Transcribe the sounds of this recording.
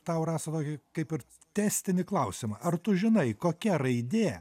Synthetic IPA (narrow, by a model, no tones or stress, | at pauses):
t̪ɐʊrɑːsɐt̪oːkʲɪkɐɪpɪɾ | t̪ʲæːsʲt̪ʲɪnʲɪklˠɐʊsʲɪmɐʔɐrt̪ʊʒʲɪnɐɪkoːkʲɛɾɐɪd̪ʲeː